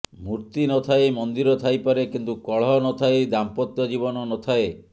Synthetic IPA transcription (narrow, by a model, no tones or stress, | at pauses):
muɾt̪inɔt̪ʰajmɔnd̪iɾɔt̪ʰajpaɾekint̪ukɔɭ̤ɔnɔt̪ʰajd̪ampɔt̪jɔd͡ʒibɔnɔnɔt̪ʰae